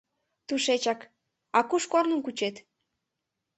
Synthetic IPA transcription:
t̪uʃet͡ɕɑk | ɑkuʃkornə̆mkut͡ɕet̪

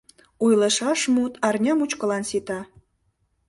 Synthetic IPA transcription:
ujləʃɑʃmut̪ɑrnʲɑmut͡ɕkə̆lɑnsit̪ɑ

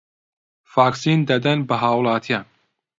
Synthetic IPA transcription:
faːksiːnd̪ɐd̪ɐnbɐɦaːwlˠɑːt̪ʰijaːn

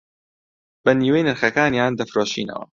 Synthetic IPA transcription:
b̥ɐniːwejnɨɾxɐkaːnjaːnd̪ɐfɾoːʃḭːnɐ̰wɐ̰

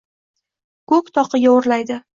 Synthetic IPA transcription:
kʰɵkʲt̪ʰɒqʰɨɡʲaoɾlajd̪ɪ

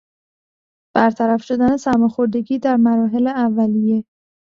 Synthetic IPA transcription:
b̥æɾt̪ʰæɾæfʃo̞d̪æne̞sæɾmexoɾd̪e̞ɡiːd̪æɾmæɾɒːɦe̞leævːælije̞

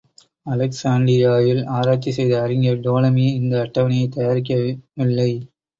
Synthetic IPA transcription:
ɐlɐksaːɳɖɾɪjaːjɪlaːɾaːt͡ʃːisɛjðɐɐɾɪŋɡɐɖoːlɐmiɪnd̪ɐːʈːɐʋɐɳɪjɐɪt̪ɐjaːɾɪkːɐʋɪlːɐɪ

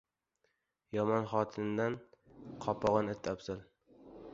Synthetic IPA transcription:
jɒmɒnχɒt̪ʰɪnnd̪anqʰɒpʰɒʁɨnɪt̪ʰːapsɪl

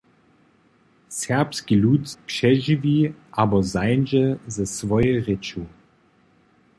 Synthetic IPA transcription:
sɛɐpskilut̪pʂɛʒiviʔabɔzajnʒɛzɛsvɔjɛʁet͡ʃu

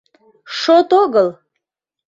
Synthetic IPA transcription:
ʂot̪oɡəlˠ

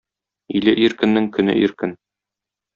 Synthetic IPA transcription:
ilɘʔiɾkɘ̆nːɘŋkɵ̆nɘ̰ʔiɾkɘn

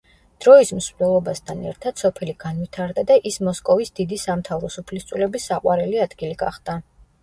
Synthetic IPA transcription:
d̪̥ɾɔismsnɛlˠɔbast̪ʰanɛ̰ɾt̪ʰad̪̥sɔpʰɛliɡ̥anwit̪ʰaɾd̪ad̪aʔismɔskʼɔvisd̪id̪isamt̪ʰavɾɔsupʰlist̪sʼulɛbisːaqʼwaɾɛliad̪ɡiliɡa̰χd̪̥a

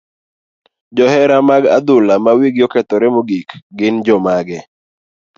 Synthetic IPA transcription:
d͡ʒɔhɛɾamaɡa̰d̪ʊlamawiɡjokɛt̪ɔɾɛmoɡikɡɪnd͡ʒɔmaɡɛ

